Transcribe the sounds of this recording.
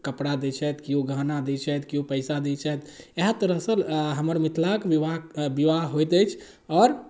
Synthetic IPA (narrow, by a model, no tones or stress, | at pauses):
kəpɽad̪ɛt͡ʃʰɛt̪kiuɡʱanad̪ɛt͡ʃʰɛt̪kiupəɪsad̪ɛt͡ʃʰɛt̪eɦat̪əɾəɦsəlɦəməɾmit̪ʰlakbiʋabiʋaɦɦojt̪ɛt͡ʃʰ | ɔːɾ